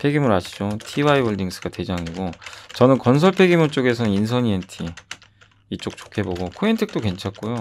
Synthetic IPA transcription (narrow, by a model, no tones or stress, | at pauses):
pʰe̞ɡimɯɾaɕʰi̥d͡ʑotʰiwaiwʌɭdiŋs͈ɯɡ̥ate̞d͡ʑaŋiɡot͡ɕʌnɯnkʌns̬ʰʌɭpʰe̞ɡimuɭt͡ɕ͈oɡe̞s̬ʰʌnɯninsʰʌɲientʰi | it͡ɕ͈ok̚t͡ɕo̥kʰe̞boɡokʰoentʰek̚t͈oke̞nt͡ɕʰak̚k͈ojo